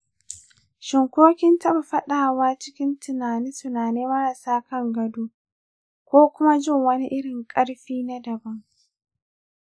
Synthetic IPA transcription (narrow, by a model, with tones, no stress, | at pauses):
ʃɪ˨ŋkʷoː˦kʲɪ˦ntɐ˦ba˨ɸɐ˦ɗaː˨waː˦t͡ʃɪ̥˦kʲɪ˦ntɪ˨naː˨nɪ˦ntʊ˨naː˨ne˦mɐ˦ɽɐ˨saː˦kɐ˦ŋɡɐ˨duː˦ | kʷoː˦kʷʊ˦ma˦d͡ʒɪ˦˨ŋwɐ˦ni˦ʔɪ˦ɽɪ˨ŋkʼɐ˦ɽɸiː˦na˦dɐ˨bɐ˦ŋ